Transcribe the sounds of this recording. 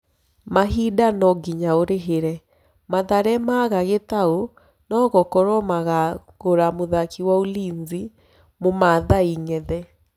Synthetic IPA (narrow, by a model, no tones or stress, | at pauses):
maɦidanɔɡiɲaoɾeɦeɾɛ | maðaɾɛmaɣaɣetao | nɔɣɔkɔɾɔmaɣa | ɣoɾamoðakiwaoliːɲzi | momaðaiŋɛðɛ